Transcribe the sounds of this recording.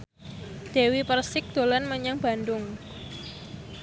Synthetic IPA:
d̪̥ewipərsɪk̚d̪̥o̤lanməɲaŋba̤ndʊŋ

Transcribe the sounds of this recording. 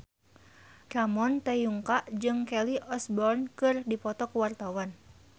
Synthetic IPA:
kamɔnt̪ɛjuŋkaʔd͡ʒɨŋkɛliʔɔsbɔrnkɨrdipɔt̪ɔkəwart̪awan

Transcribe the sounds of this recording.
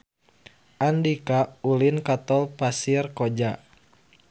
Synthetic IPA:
ʔandikaulinkat̪ɔlpasirkod͡ʒa

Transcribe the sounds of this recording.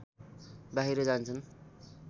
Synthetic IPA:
baɦiɾʌd͡zant͡sʰun

